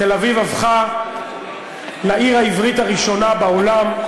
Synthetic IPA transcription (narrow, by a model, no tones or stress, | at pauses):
telavivavχa | laiʁaivʁit̪aʁiʃo̞nabaolam